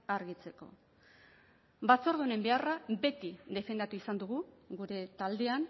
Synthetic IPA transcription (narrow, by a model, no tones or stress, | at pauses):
aɾɣit͡se̞ko̞̰ | bat͡so̞ɾðune̞mbe̞arabe̞t̪iðe̞fe̞nd̪at̪uisand̪uɣ̞uɣuɾe̞t̪ald̪e̞an